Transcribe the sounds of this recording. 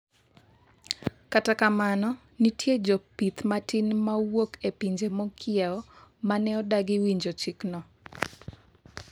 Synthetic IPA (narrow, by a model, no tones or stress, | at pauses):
katakamanɔ | nitjed͡ʒɔpit̪matinmawokepiɲd͡ʒemɔkʰɪɛɔmanɛɔdaɡɪwiɲd͡ʒot͡ʃiknɔ